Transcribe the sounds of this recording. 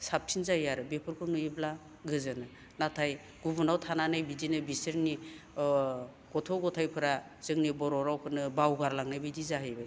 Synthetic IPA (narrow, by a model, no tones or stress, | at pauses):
sap̚t͡ʃʰinzajaɾɯbepʰɯɾkʰɯnujibla | ɡɯzɯnɯ | natʰaj | ɡ̥ubunawtʰananajbidinɯbisɯɾni | ɡ̥ɔtʰɔɡɔtʰajpʰɯɾa | z̥ɯŋnibɔɾɔɾawkʰɯnɯbawɡaɾlaŋnajbidizaɦɯjbɯj